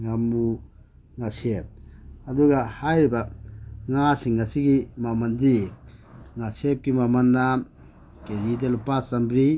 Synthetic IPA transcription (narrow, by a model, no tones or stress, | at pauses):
ŋamu | ŋasep̚ɐduɡahajɾibaŋasiŋːasiɡimamɐndi | ŋasep̚kimamɐnːa | kedidelupasambɾi